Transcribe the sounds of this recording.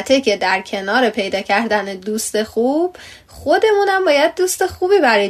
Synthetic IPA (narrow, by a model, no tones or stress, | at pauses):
t̪ʰecʰe̞d̪æɾcʰe̞nɒːɾe̞pʰe̞jd̪ɒːcʰæɾd̪æned̪uːst̪e̞xub̥ | xo̞d̪e̞muːnæmbɒːjæd̪̚ːuːst̪e̞xuːbiːbæɾɒ